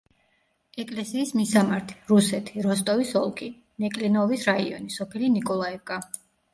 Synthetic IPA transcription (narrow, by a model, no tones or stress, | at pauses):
ɛkʼlɛsiːsmisamaɾt̪ʰi̥ɾusɛt̪ʰiɾɔst̪ʼɔvisɔlˠkʰi | nɛkʼlinɔvisɾaiɔnisɔpʰilinikʼɔlˠaɛvkʼa